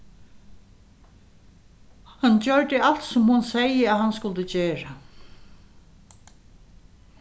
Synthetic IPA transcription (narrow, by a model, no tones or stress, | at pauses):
hand͡ʒœɹd̪ɪalt̪sɔmhʊnsɛjəæðhanskʊlt̪ʊd͡ʑeːɹa